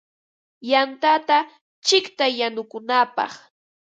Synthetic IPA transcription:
jant̪at̪a | t͡ʃɪkt̪ajanʊkʊnapɑ̰χ

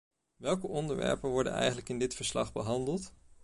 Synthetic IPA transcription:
ʋɛlˠkəʔɔndəɹʋɛ̰ɹpənʋɔɹdə̰nɛ̰jχənləkɪndɪtfəɹslɑ̰χbəɦɑndəlˠt

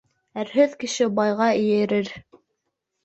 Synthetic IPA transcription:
æɾɦɵðkɘ̆ʃɘbɑjʁɑɘ̆jɘ̆ɾɘɾ

